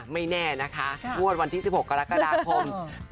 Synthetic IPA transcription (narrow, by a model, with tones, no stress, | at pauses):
ma˥˩jnɛː˥˩na˦˥kʰa˦˥pʰu˥˩ət̪̚wa˧nt̪ʰiː˥˩i˨˩p̚ho˨˩kːa˧ɾa˦˥kːa˧daː˧kʰo˧m